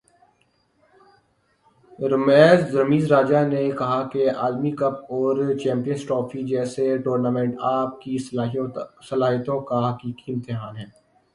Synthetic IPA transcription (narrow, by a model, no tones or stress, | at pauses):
ɾɐmɛːzɾɐmiːzɾaːd͡ʒanekɐɦakea̰ːlmikɐp̚ɔːɾt͡ʃɛ̃ːmpijənsʈɾɔːfʰid͡ʒɛːseʈoːɾnaːmɛ̃ɳʈaːp̚ki | sɐlaːɦət̪õkaɦɐkiːkiɪ̃mt̪ɪɦaːnɦɛ̃ː